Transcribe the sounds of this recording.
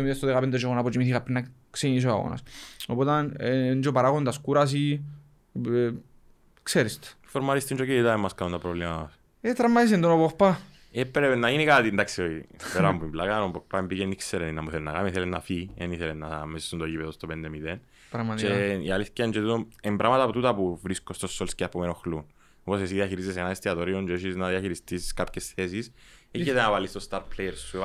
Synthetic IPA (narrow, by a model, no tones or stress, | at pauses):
omiðest̪oðeɣapend̪ed͡ʒoɣonapod͡ʒimiθikapːɾenːaksenis̬oa̰ɣo̰na̰sopot̪anend͡ʒopaɾaɣond̪askuɾas̬i | kseɾist̪ | foɾmaɾist̪ind͡ʒokeit̪aemːaskaunt̪apɾovlemaas | et̪ɾamːaðis̬end̪onopokpːa | epːɾenːainikat̪ind̪aksioipeɾɐmuivlakanompokpːaembijenikseɾeninːɐmuθelenːɐkamiθelenːafieniθelenːamesist̪ːunt̪oʝipeðost̪opend̪emiðen | ɾɐmɐt̪t͡ʃieialiθcand͡ʒot̪t̪oembɾamɐt̪ɐpot̪ut̪ɐpuvɾiskost̪osːolsceapomenoxlun | oposesiðiɐçiɾizːes̬enɐest̪iɐt̪oɾiond͡ʒoiʃiznaðiɐçiɾist̪iskapçesθesiseçet̪enavalist̪ost̪aɾplejeɾsu